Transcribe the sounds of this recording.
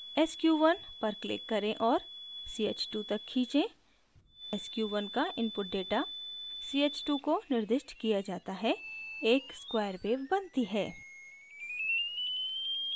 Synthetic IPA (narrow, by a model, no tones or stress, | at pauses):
ɛskjuːʋɐnpɐɾklɪ̰kːɐɾẽʔɔːɾsiːeːt͡ʃʈut̪ɐkʰːiːt͡ʃẽ | ɛskjuːʋɐnkaʔɪ̃mpʊʈ̚ɖeːʈasiːeːt͡ʃʈukonɪɾd̪ɪʃʈkijad͡ʒaːt̪aɦɛeːkskwaːəɾbeːbɐnt̪iɦɛː